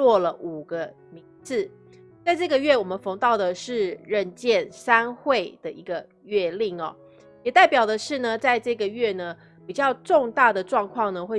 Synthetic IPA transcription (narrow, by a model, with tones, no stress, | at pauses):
wɔ˥˩lə˩ʔu˨˩ɡə˦ | mi˧˥ŋt͡sɹ̩˥˩ | t͡sa˥˧ɪʈ͡ʂɤ˥˩ɡə˩ɥɛ˥˩wɔ˨˩mə˦nfɤ˧˥ŋt̪ɑ˥˩ʊd̪ə˩ʂɻ̩˥˧ɻə˥˧nt͡ɕjɛ˥˨˩nsa˥nxwe˥˩ɪd̪ə˩ʔi˧˥ɡə˧ | ɥɛ˥˧li˥˩ŋɐ̰˩ | jɛ˨˩t̪a˥˩ɪpjɑ˨˩ʊd̪ə˩ʂɻ̩˥˩nə˩t͡sa˥˧ɪʈ͡ʂɤ˥˩ɡə˩ɥɛ˥˩nə˩ | pi˨˩t͡ɕjɑ˥˧ʊʈ͡ʂo˥˧ŋt̪a˥˩d̪ə˩ʈ͡ʂwɑ˥˧ŋkʰwɑ˥˩ŋnə˩xwe˥˩